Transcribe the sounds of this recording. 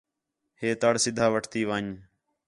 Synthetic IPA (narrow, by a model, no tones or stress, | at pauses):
heːt̪əɽsɪd̪ʱaːʋəʈʰt̪iːʋãːɲ